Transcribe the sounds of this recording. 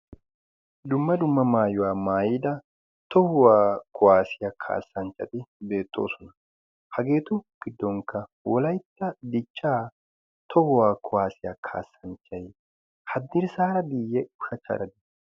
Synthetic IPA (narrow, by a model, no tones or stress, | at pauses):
d̪ʊmːɐd̪ʊmːɐmaːjʊwaːmaːjiːd̪ɐ | t̪ɔhʊwaːkʰɔwaːsɪjakʰa̰ːsːɐnt͡ʃːɐt̪ɪbe̞ːt̪ːoːsɔnɐ | hɐɡe̞ːt̪ʊɡ̥ɪd̪ːɔŋkːɐ | wɔlɐjt̪ːɐd̪ɪt͡ʃːaː | t̪ʰɔhʊwaːkʰʊwaːsɪjakʰa̰ːsːɐnt͡ʃːɐj | hɐd̪ːɪɾsaːɾɐbijːɛʊʃɐt͡ʃːɐ̰ɾɐd̪ɪ